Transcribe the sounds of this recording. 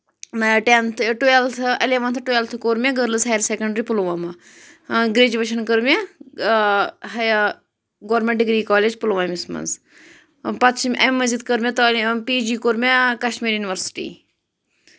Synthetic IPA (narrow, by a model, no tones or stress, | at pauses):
nɐʈent̪ʰʈuelt̪ʰɐleʋɐnt̪ʰʈuelt̪ʰkoːɾmʲẽɡəɾlɨsajɾseːkɐɳɖɾiːpuluʋama | ɡɾeːd͡ʒuʋeʃɐnkəɾmʲe | ɦɐ | ɡoːɾmʲẽɳʈɖiɡɾiːkɔːled͡ʒpulʋamismɐ̰nz | pɐt̪t͡ʃmʲʔɐmːɐzid̪kəɾmʲẽt̪opiːd͡ʒiːkoːɾmʲekɐʃmiːɾjuniʋəɾsi̥ʈḭː